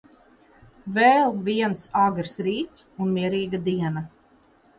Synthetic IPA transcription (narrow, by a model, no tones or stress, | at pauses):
vɛːlˠviɛnsaɡɾsɾiːt̪sunmiɛɾiːɡad̪iɛna